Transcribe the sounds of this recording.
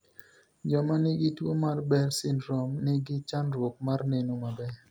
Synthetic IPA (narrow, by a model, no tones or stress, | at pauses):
d͡ʒɔmanɪɡɪtwomarbɛɾsɪnɾɔmnɪɡɪt͡ʃanɾwok̚marnenomabɛ